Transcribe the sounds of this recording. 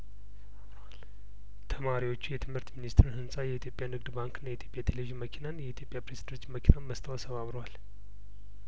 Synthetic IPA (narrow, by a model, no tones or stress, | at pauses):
t̪ʰəmaɾiwo̞t͡ʃːujɛt̪ʰɨmhɨɾt̪minist̪ɾɨnhɨnsʼajɛit̪ʰjo̞pʼjanɨɡd̪baŋkɨnːajɛit̪jo̞pʼjat̪ʰeleiʒiməkʰinanjɛit̪ʰjo̞pʼjapɾezid̪ənt̪ːməkʰinanməst̪ʰəwasʰəβaβɾəwal